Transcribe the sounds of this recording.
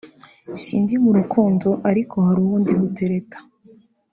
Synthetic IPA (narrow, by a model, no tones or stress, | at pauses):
sḭːndimuɾukʰuːndo̞ʔaɾikʰo̞haɾuβuːndiβute̞ɾe̞tʰḁ